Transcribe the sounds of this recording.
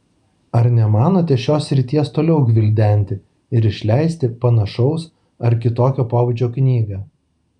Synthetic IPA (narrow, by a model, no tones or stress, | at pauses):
ɐɾnʲɛmɑːnoːt̪ʲɛʃʲoːsːʲɾʲɪt̪ʲiɛst̪oːlʲɛʊɡʲʋʲɪlʲd̪ʲɛˑnʲt̪ʲɪ | ɪɾɪʃʲlʲæˑɪsʲt̪ʲɪpɐnɐʃɐʊs | ɐɾkʲɪt̪oːkʲoːpoːʋʊd͡ʒʲoːknʲiːɡɑː